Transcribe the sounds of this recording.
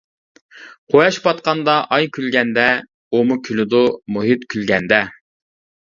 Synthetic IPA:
qʰojɑʃpɑt̪̚qɑnd̪ɑʔɑjkʲylɡʲɛnd̪ɛ | umukʲʰylɪd̪ʊmuɦit̪kʲʰylɡʲɛnd̪ɛ

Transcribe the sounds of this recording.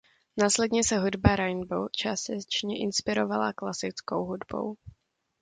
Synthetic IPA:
naːslɛdɲɛsɛɦudbaɾajnbo̰wt͡ʃasɛt͡ʃɲɛʔɪnspɪɾovala̰klasɪt͡skowɦudbo̞̰w

